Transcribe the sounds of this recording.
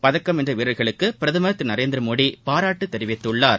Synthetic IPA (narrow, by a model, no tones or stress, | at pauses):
pɐðɐkːɐmɛndrɐʋɪɾɐɭɣɐɭɯkːɯpɪɾɐðɯmɐɾɐt̪ːɪnɐɾeːnd̪ɪɾɐmoːɽipaːɾaːʈːɯt̪ːɛɾɪʋɪt̪ːɯɭːaːɾ